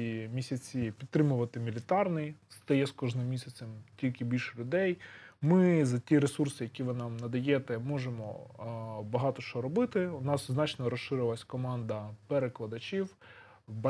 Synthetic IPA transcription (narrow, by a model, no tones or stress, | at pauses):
imʲisʲɐt͡sʲipʲid̪̚t̪ɾɪmʊʋɐt̪ɪmʲilʲɪt̪ɑrnɪjst̪ɐjɛskɔʒnɪmːʲisʲɐt͡sʲɛmtʲilʲkɪbʲilʲʃɛlʲʊd̪ɛjmɪzɐtʲiɾesursɪjɐkʲiʋɪnɑmnɐd̪ɐjɛt̪ɛmɔʒemɔ̰ | bɐɦɑt̪ɔʃt͡ʃɔɾɔbɪt̪ɪʊnɑsznɑt͡ʃnɔɾɔʃʃɪɾɪʋlˠɐsʲkɔmɑnd̪ɐpeɾeklˠɐd̪ɐt͡ʃiw | b